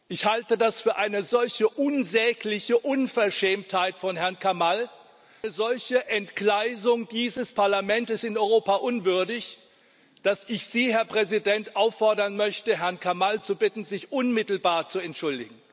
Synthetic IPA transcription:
ʔɪçhaltədasfyːɐʔaɪnəzɔlçəʔʊnzɛːklɪçəʔʊnfɛɐʃɛːmthaɪtfɔnhɛɐnkʰamal | əzɔlçəʔɛntklaɪzʊŋdiːzəspʰaɐlamɛntəsɪnɔʏʁoːpaʔʊnvʏɐdɪç | d̥asʔɪçz̥iːhɛɐpʁ̥ɛzidɛntʔaʊfːɔɐdɐnmœçtəɦɛɐnkʰamalt͡subɪtn̩zɪçʔʊnmɪtl̩baːɐt͡suɛntʃʊldɪ̰ɡŋ̩

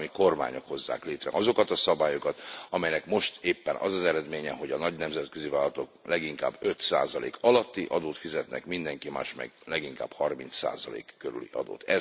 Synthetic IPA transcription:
miko̞rma̰ːɲo̞kho̞zːa̰ːkleːt̪rɛ̰ʔɒzo̞kɒt̪ɒsɒbaːjokɒt̪ɒmɛjnɛkmo̞ʃt̪eːpːɛnʔɒ̰zɒzɛɾɛd̪meːɲɛɦo̞ɟɒnɒɟnɛmzɛt̪køzivaːlːɒt̪o̞klɛɡiŋka̰ːbø̞t̪sa̰ːzɒlḛːkʰɒlɒt̪ːiʔɒd̪oːt̪fizɛt̪nɛ̰kmind̪ɛŋkima̰ːʃmɛ̰ɡlɛɡiŋkaːb̥hɒrmint̪sa̰ːzɒlḛːkːøɾy̰lḭʔɒ̰d̪o̰ːt̪ɛ

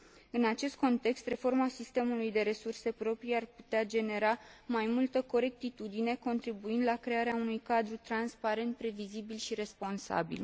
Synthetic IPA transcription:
ɨnat͡ʃe̞st̪̚ko̞nt̪e̞kst̪re̞fo̞rmasist̪e̞mulujd̪e̞ɾe̞surse̞pɾo̞pɾijarput̪ead͡ʒe̞ne̞ɾamajmult̪əko̞ɾe̞k̚t̪it̪ud̪ine̞ko̞nt̪ɾibuind̪lakɾe̞aɾeaunujkad̪ɾut̪ɾanspaɾe̞nt̪̚pɾe̞vizibilʃiɾe̞spo̞nsa̰bḭl

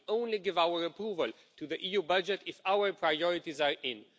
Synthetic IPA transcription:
õʊ̃nliɡɪvawəɹəpɹuvəl | tʰuðəʔijubʌd͡ʒɛtɪfawə˞pʰɹajɔɹitizaɹɪ̃n

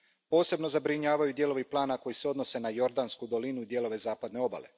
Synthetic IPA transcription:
po̞ːse̞bno̞zabɾiɲaːʋajud̪je̞ːlo̞ʋiplˠaːnako̞jiseo̞d̪no̞se̞najo̞ɾd̪anskud̪o̞linuid̪je̞lo̞ʋe̞zaːpad̪ne̞o̞ba̰le̞̰

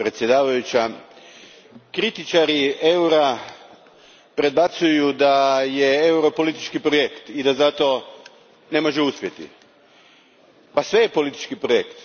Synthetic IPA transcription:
pɾet̪sje̞d̪aːʋajut͡ɕa | kɾit̪it͡ʃaɾie̞wɾa | pɾe̞d̪̚bat̪sujud̪ajeeuɾo̞po̞lit̪i̥t͡ʃkipɾoje̞kt̪id̪azat̪o̞ | ne̞mo̞ʒeuspje̞t̪ḭ | pasʋe̞jepo̞lit̪i̥t͡ʃkipɾojekt̪

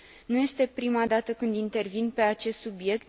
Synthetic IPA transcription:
nuje̞st̪e̞pɾimad̪at̪əkɨnd̪int̪e̞rvinpe̞at͡ʃe̞st̪subje̞k̚t̪̚

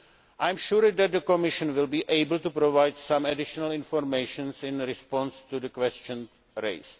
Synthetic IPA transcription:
ʔajmʃuɾd̪ɛt̪̚d̪əkomɪʃə̃nʋɪlbiːʔejbl̩t̪upɾovajdsãmɛdɪʃonəlɪ̃nfoɾmejʃə̃nsɪ̃nɾɪspɔ̃nst̪udəkwɛst͡ʃə̃n | ɾḛɪs

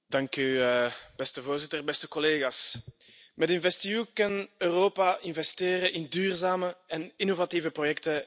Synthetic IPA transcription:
dɑŋkybɛstəvoːrzɪtərbɛstəkɔleːɣaːs | mɛdɪnvɛstiykɑnøːroːpaʔɪnvɛsteːɾəʔɪndyːrzaːməɛnɪnovatiːvəprojɛktə

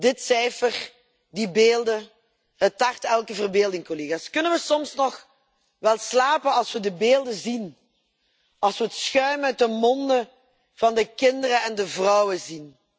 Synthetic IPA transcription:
dɪtsɛjfər | dibeːlˠdə | ɦətɑχtɛlˠkəvərbeːlˠdɪŋkoleːɣaskɵnənʋəsɔmsnɔx | ʋɛlˠslaːpənɑlˠsʋədəbeːlˠdəzin | ɑlˠsʋəətsxœɥmœɥtəmɔndə | v̥ɑndəkɪndərəɛndəvrɔwəzin

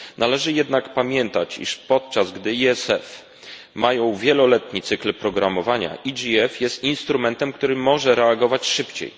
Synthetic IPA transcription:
nʔalɛʐɘjɛd̪nakpamʲjɛnt̪at͡ɕḭʂpɔt̪̚t͡ʂazɡd̪ɘiɛsɛ̰f | majɔ̃w̃vʲjɛlɔlɛt̪ɲit̪sɘklpɾɔɡɾamɔvaɲa̰ʔid͡ʐiɛfjɛst̪inst̪ɾumɛnt̪ɛmkt̪uɾɘmɔʐɛɾɛaɡɔvat͡ɕʂɘpt͡ɕḛj

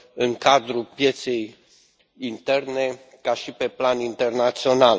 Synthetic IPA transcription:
ɨŋkad̪ɾupje̞t̪se̞j | int̪e̞rne̞ | kaʃipe̞planint̪e̞rnat̪sio̞nal

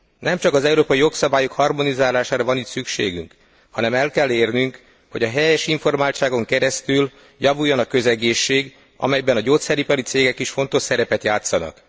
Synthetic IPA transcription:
nɛmt͡ʃɒkɒzɛuɾoːpɒijo̞ksɒbaːjokhɒrmo̞nizaːlaːʃaːɾɒvɒnit̪sykʃḛːɡy̰ŋk | hɒnɛmɛlkɛlːeːrnyŋk | ho̞ɟɒɦɛjɛʃiɱfo̞rmaːlt͡ʃaːɡo̞ŋkɛɾɛst̪yl | jɒvujːonɒkø̞zɛɡeːʃːeːɡ | ɒ̰mɛjbɛnɒɟoːt̪sɛɾipɒɾit̪seːɡɛkiʃfo̞n̪t̪o̞ʃsɛɾɛpɛt̪jaːt̪sɒnɒ̰k

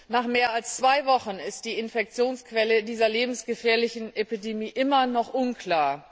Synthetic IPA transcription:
naːχmeːɐalst͡sv̥aɪvɔχənɪst̚d̥iːɪnfɛk̚t͡sjoːnskv̥ɛlədiːzɐleːbm̩sɡ̥əfɛːɐlɪçn̩ʔepidemiːʔɪmɐnɔχʔʊnkl̥aːɐ

